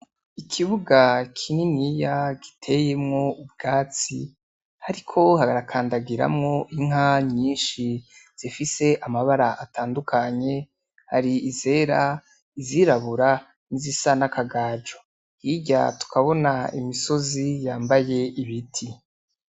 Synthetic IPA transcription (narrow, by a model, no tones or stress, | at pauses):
ikʰiβuɡakʰininijaɡi̥tʰe̞je̞mŋo̞ubɡaːt͡si | haɾikʰo̞haɾakʰaːndaɡiɾa̰mŋo̞ʔiŋ̥ɦaɲiːnʃiz̥ifise̞ʔamaβaɾaʔatʰaːndukʰaɲe̞ | haɾiize̞ːɾa | iziɾaβuɾa | nizisanakaɡaːd͡ʒo | hiɟa̰tu̥kʰaβo̞naimiso̞zijaːmbaje̞ʔiβitʰi